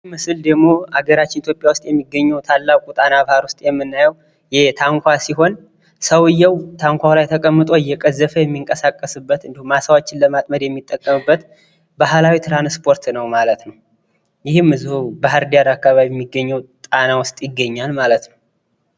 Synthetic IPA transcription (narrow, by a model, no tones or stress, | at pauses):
mɨsɨld̪əɡmo̞aɡəɾat͡ʃːɪnit̪ʰjopʼjawʊst̪ʼjɛmːiɡːəɲːɛwt̪ʰalːakʼut̪ʼanabhaɾwʊst̪ʼjɛmːɨnːajəw | jɛt̪ʰaŋkʷʰasiɦo̞n | səwɨjːɛwt̪ʰaŋkʷʰalajt̪ʰəkʼəmːɨt̪ʼo̞ɪjːɛkʼəzːəfəjɛmːiŋkʼəsakʼːəsɨbːət̪ɨnd̪ihumːasawat͡ʃːɪnləmat̪ʼməd̪jɛmːit̪ʼːəkʼːəmɨbːət̪ | baɦlawit̪ʰɾanspʰo̞ɾt̪nəwmalət̪nəw | jɪhɨmːɨzuhubaɦəɾd̪ijaɾakːaβaβijɛmːiɡːəɲːɛwt̪ʼanawʊst̪ʼjɪɡːəɲːalmalət̪nəw